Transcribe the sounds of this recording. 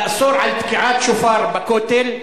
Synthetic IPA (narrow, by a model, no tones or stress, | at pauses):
ʔsˤuːɾʕalat̪kɪʕaːt̪ʃʊfɑːɾˤbakoːt̪ɪl